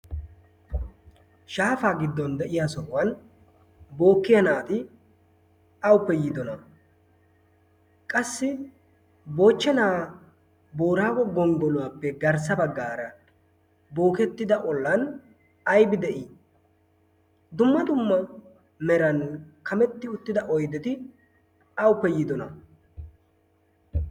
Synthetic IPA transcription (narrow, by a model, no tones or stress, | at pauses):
ʃaːfaːɡɪd̪ːɔnd̪ɛʔɪjaːsɔʔʊwɐn | bo̞ːkːɪjɐnaːt̪ɪ | ɐwʊpːɛjiːd̪ɔnɐ | kʼɐsːɪ | bo̞ːt͡ʃːɛnaː | bo̞ːɾaːɡɔɡɔŋɡɔlʊwaːpːɛɡɐɾs̬ɐbɐɡːaːɾɐ | bo̞ːkɛt̪ːɪd̪ɐʔɔlːɐn | ɐjbɪd̪ɛʔiː | d̪ʊmːɐd̪ʊmːɐ | mɛɾɐnkɐmɛt̪ːɪʊt̪ːɪd̪ɐʔɔjd̪ɛt̪ɪ | ɐwʊpːɛjiːd̪ɔnɐ̰